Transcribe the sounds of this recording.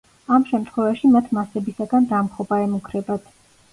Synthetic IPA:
amʃɛmt̪ʰχwɛvaʃimat̪ʰmasɛbisaɡand̪amχɔbaɛmukʰɾɛbat̪ʰ

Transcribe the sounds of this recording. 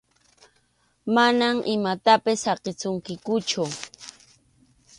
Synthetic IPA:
manamʔɪmat̪apɪsɑqɪt͡sʊŋkɪkʊt͡ʃʊ

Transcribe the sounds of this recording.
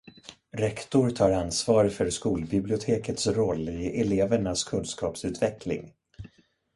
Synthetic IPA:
ɾɛkt̪ʊɾt̪ʰɑːɾansvɑːɾfœɾʂkuːlbɪblɪʊt̪ʰeːkət̪sɾɔlːɪɛleːvəɳaskʰɵnskɑːpsʉ̟ːt̪vɛkʰlɪ̰ŋ

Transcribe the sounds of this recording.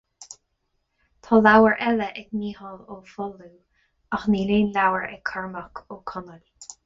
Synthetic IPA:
t̪ʰɔːlawəɹʔɛləʔɛɡniːhɔloːfɔluː | axniːleːnlawəɹɛ̰kʰaɹməkʰoːkʰɔnəl

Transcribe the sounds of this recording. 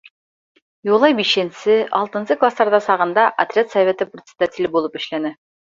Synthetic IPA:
julˠɑjbiʃɘnsɘʔɑ̰lˠt̪ɤ̆nsɤklˠasˠɑɾd̪ɑsɑʁɤ̆nd̪ɑʔɐ̰t̪ɾʲat̪sɐvʲet̪ɘprʲot̪sʲɪ̥d̪̥at̪ʲilʲɘbulˠɤpɘ̆ʃlænɘ

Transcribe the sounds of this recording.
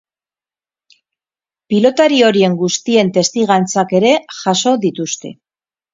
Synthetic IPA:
pilo̞t̪aɾio̞ɾie̞ŋɡust̪ie̞nt̪e̞st̪iɣant͡sake̞ɾe̞ʝaso̞ðit̪ust̪e̞̰

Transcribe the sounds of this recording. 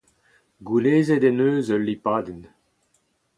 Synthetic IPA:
ɡuleːzed̪ɛnøːzølːipaːd̪in

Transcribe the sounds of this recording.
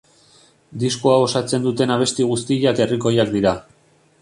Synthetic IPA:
d̪iskuao̞sat͡se̞nd̪ut̪e̞naβ̞e̞st̪iɣ̞ust̪iʎake̞riko̞jakd̪iɾa

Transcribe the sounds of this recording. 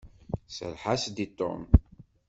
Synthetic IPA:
sə̰lħasd̪it̪ˤːo̰m

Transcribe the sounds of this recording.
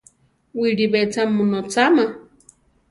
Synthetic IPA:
wiɺiβet͡sʰamunot͡sʰama

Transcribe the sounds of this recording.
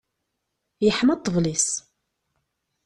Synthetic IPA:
jəħmɑt̪ˤːəvlis

